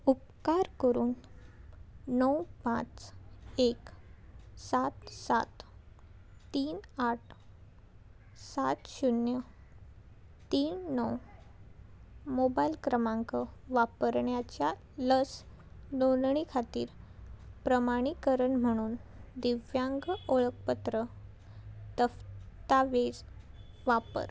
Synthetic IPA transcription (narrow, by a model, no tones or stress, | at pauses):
up̚ | kaɾkəɾuːn | əwpã̰t͡sek | sat̪sa̰t̪ | t̪iːnaʈ̚ʰ | sat̪ɕunjə | t̪iːnːəw | mobailkɾəmãŋkəʋapəɾɳjat͡ɕja | ləs | nonɳ̃ikʰat̪iːɾpɾəmaɽ̃ikəɾəɳm̤əɽ̃uːnd̪iʋjaŋɡoɭək̚pət̪ɾə | t̪əft̪aʋed͡z | ʋapə̰ɾ